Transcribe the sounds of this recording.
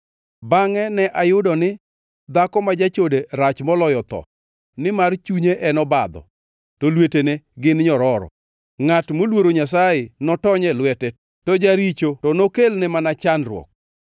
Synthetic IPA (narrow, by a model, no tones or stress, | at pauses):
baŋɛnɛʔajʊdɔnɪ | d̪akɔmad͡ʒat͡ʃodeɾat͡ʃmɔlɔjɔt̪ɔ̰ | nɪmart͡ʃuɲeʔɛnɔbad̪ɔ̰ | tolweteneɡɪnɲɔɾɔɾɔ̰ | ŋatmolwoɾoɲasajɪnɔtɔɲɛlwɛtɛ | tɔd͡ʒaɾit͡ʃotɔnokelnɛmanat͡ʃanrwɔ̰k̚